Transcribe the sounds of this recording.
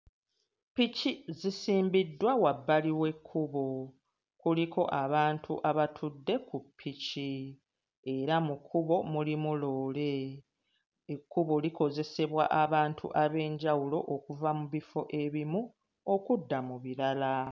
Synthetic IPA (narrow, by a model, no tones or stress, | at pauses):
picizisiːmbidːwawabːaliwe̞kʰːuβo | kulikʰo̞ʔaβaːntʰuʔaβatʰudːe̞kupʰːici | e̞ɾamukʰːuβo̞mulimulo̞ːle̞ | ekːuβoliko̞ze̞se̞βwa̰ʔaβaːntʰṵʔaβe̞ːɲɟawulo̞ʔokuvamuβifo̞ʔe̞βimu | o̞kudːamuβiɾala